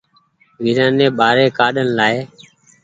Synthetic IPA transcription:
ʋiːɾãːnẽːɓaːɾeːkaːɗənlaːeː

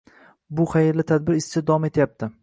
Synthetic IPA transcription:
bʊχajɪɾlɪt̪ʰad̪̚bɪɾɪst͡ʃʰɪd̪ɒɒme̞t̪ʰjap̚t̪ʰɪ

